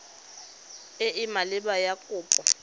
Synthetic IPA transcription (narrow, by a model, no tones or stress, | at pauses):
eʔimalɪɓajakʼʊːpʼɔ